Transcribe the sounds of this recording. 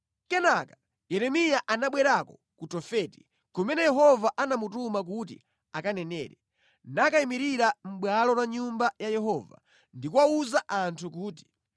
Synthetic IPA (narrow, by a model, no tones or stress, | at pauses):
kɛnaka | jɛɾɛmijaʔanaɓwɛɾakɔ | kutɔfɛti̥ | kɔmɛnɛjɛɦɔvaʔanamutumak̬ut̬ḭ | akanɛnɛ̰ːɾɛ | nakaimiɾiɾam̩ɓwalɔlaɲumbajajɛɦɔva̰ | ndikuwauzaʔantʰuk̬uːt̬i̥